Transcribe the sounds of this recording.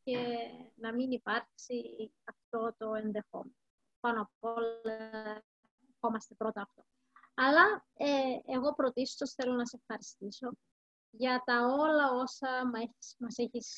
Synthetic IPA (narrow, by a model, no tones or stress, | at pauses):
ce̞nɐminipɐɾksiɐft̪o̞t̪o̞e̞nðe̞xo̞̰menoopɐnoɐolɐ | exo̞mɐst̪e̞pɾo̞t̪ɐːft̪o̞ | ɐlɐ | eeɣo̞pɾo̞t̪isot̪osθe̞lo̞nɐseefxɐɾist̪iso̞ | ʝɐt̪ɐo̞lɐo̞sɐmɐemɐse̞çis